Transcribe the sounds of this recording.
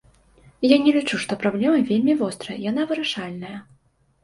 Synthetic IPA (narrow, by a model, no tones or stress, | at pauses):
janʲɛlʲit͡ʂuʂt̪ɔpɾablʲɛmɐvʲelʲmʲivɔst̪ɾɐjɐjan̪avɨɾaʂalʲnɐjɐ